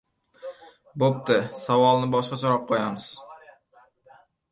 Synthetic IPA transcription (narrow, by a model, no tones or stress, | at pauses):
bop̚t̪ɪsavɒlˠnɪbɒʃqɑsoɾɑq̚qʰojamɪz̥